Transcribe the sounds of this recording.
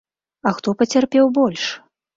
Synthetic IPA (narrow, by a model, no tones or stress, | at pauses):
ɐxt̪ɔpɐt͡sʲarpʲɛwbɔlʲʂ